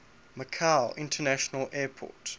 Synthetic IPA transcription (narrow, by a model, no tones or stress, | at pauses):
məkʰaʊʔɪ̃ntʰənæʃənəlɛːpʰɔ̰t